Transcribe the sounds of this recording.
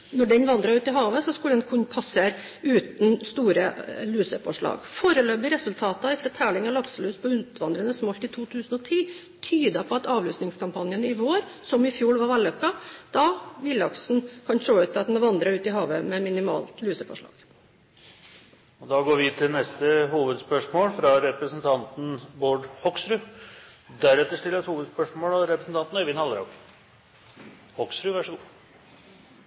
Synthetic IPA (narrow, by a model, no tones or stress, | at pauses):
nɔɖɛnʋɑnd̪ɾɑɾʉːt̪ɪɦɑːʋəsɔskʉləɛnkʰʊnpʰɑsəɾ | ʉːt̪n̩st̪uːɾəlʉːsəfɔʂɭɑ̰ːɡfoːɾəlœbəɾɛsʉlt̪ʰɑːt̪ɑɪfɾɑt̪ʰæːɭɪŋɑlɑksəlʉːspʰɔʉnt̪ʰʋɑnd̪ɾənəsmɔlt̪ɪt̪ʰuːt̪ʰʉːsn̩ɔt̪ʰiː | t̪ʰyːd̪ɑpʰɔɑt̪ɑːʋlʉːsnɪŋskɑmpʰɑnjənɪʋoːɾ | sɔmɪfjuːɽʋɑɾʋælœkːɑd̪̥ɑʋɪlɑksn̩kʰɑnʂoːʉːt̪ːɑt̪nəʋɑnd̪ɾəɾʉːt̪ɪɦɑːʋəmɛmɪnɪmɑ̰ːlt̪lyːsəfɔ̰ʂɭɑ̰ːɡ̥ | ɔd̪ɑːɡoːɾʋɪt̪ʰɪlnɛst̪əhuːʋəd̪spœʂmoːlfɾɑɾɛpɾəsn̩t̪ʰɑnt̪n̩boːɖhɔksɾʉ | d̪æɾɛt̪ːəʂʈɪləɾɔshuːʋəd̪spœʂmoːlɔɾɛpɾəsn̩t̪ʰɑnt̪nɑɾʋɪːnhɑlːəɾɔ̰k | hɔksɾʉʋæʂəɡuː